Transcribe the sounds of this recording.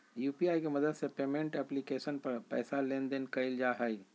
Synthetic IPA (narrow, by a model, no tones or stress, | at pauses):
juːpiaːjkeməd̪əd̪sẽpemẽɳʈɛplikesənpəɾpɛ̰ːsalend̪enkəɪld͡ʒaɦəj